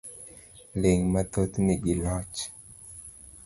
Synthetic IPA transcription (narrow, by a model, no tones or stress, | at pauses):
leŋmat̪ot̪niɡɪlɔt͡ʃ